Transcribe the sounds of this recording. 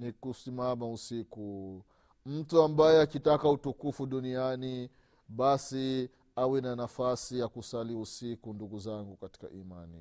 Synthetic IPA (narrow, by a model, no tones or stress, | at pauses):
nikusimamausiku | m̩tuambajɛakitakautukufuɗuniani | ɓasi | awɛnanafasijakusaliusikunduɡuzaŋɡukati̥ka̰ʔimanḭ